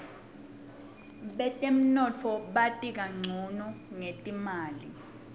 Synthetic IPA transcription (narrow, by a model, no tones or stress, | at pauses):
ɓɛtʼem̩nɔt͡fʰɔɓatʼik̬aŋ͡ǀʱunɔŋetʼimaːli